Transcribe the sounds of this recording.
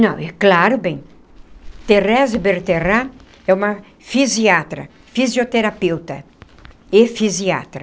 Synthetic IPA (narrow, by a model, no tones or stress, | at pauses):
nɐ̃w̃ɛklaɾʊbẽj̃ | t̪erɛzɪbeɾt̪era | ɛũmɐ | fiziat̪ɾɐ̰ | fizjot̪eɾapewt̪ɐ | efizia̰t̪ɾɐ